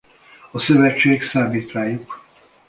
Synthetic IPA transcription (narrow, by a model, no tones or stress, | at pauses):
ɒsøvɛt͡ʃːeːksaːmiːt̪ʋaːjuk